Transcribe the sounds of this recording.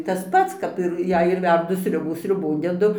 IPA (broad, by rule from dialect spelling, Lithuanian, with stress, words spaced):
ˈtɐs ˈpɐts ˈkɐp ɪr ˈjɛɪ ɪr ˈʋʲɛrdʊ ˈsʲrʲʊbuː sʲrʲʊˈboːn dʲɛˈdʊ